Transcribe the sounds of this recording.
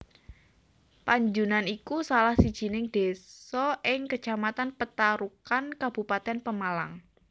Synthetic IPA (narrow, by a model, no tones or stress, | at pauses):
paɲd͡ʒunanikusalahsid̥ʒ̥i̤nɪŋd̥e̤sɔʔɪŋkət͡ʃamat̪anpət̪aɾukankab̥ṳpat̪ɛnpəmala̰ŋ